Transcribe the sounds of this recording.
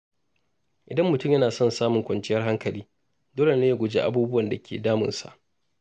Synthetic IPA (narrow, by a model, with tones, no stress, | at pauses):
ʔɪ˨dɐ˦mːʊ˨tʊ˦mjɐ˦naː˨sɔ˦nsaː˦mʊ˨ŋkʷɐ˨nt͡ʃɪ˦jɐ˦rɦa˦ŋkɐ˨liː˦ | doː˦le˨na˦je˦˨ɡʷʊ˨d͡ʒeː˦ʔa̰˦buː˦bʊ˦wɐ˨nda˨kʲʰḛː˨daː˦mʊ̰˨nsa̰˨ʔ